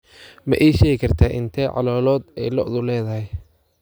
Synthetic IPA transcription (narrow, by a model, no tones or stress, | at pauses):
mɐ̰ʔɛjʃɛːɣɪkʰɐrt̪ʰaːʔɪnt̪ʰɛːʕɑ̰lɔːlɔːd̪ɛjlɔʔðʊlɛːðɐɦɛj